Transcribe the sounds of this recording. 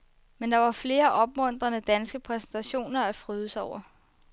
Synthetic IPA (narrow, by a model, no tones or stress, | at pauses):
mend̥ɑ̈ʋɑ̈fle̝ːɐʔɒ̽b̥̚mɔ̽n̰d̥ʁɐnəd̥ænsɡ̥əpʰʁɛsn̩t͡sʰæɕo̝̰ːnɐæfʁyðˠəsɒʊ̰ɐ